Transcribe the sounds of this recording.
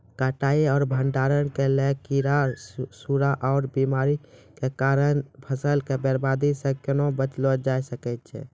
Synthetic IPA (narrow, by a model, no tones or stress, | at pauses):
kaʈaːiɔːɾbʱəɳɖaːɾənkelekiɾasuɾaʔɔːɾbimaːɾikekaːɾənpʰəsəlkebəɾbaːd̪isẽkenobət͡ʃlod͡ʒaːjsəkɛt̪t͡ʃʰɛ̰